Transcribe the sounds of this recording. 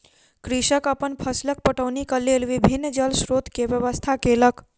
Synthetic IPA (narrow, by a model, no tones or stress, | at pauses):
kɾiʃəkəpənpʰəslək̚pəʈəʋnikəlelʋibʱinːd͡ʒəlsɾot̪keʋjəʋəst̪ʰakelək